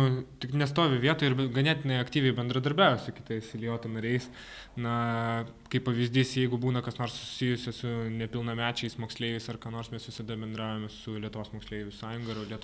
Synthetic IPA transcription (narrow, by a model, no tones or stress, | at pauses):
nʊt̪ʲɪknʲɛst̪oːʋʲɪʋʲiɛt̪oːjɪɾɡɐnʲɛːt̪ʲɪnɐɪɐkt̪ʲiːʋʲɛɪbʲɛnd̪ɾɐd̪ɐɾʲbʲæːʊʋʲɛsʊkʲɪt̪ɐɪsɪlʲɪjoːt̪onɐɾʲɛɪs | nɐ | kɐɪppɐʋʲizʲd̪ʲiːsjɛɪɡʊbuːnɐkɐsnoːrssʊsʲɪjʊsʲɛsʊnʲɛpʲɪlˠnɐmʲæːt͡ʃʲɛɪsmoːksʲlʲeːʋɛɪsɐrkɑːnoːɾsmʲɛsʋʲɪsɐd̪ɐbʲɛnd̪ɾɑːʊjomʲɛsʊlʲiɛt̪ʊʋoːsmoːksʲlʲeːʋʲʊsɑːjʊŋɡɐɾɐlʲiɛt̪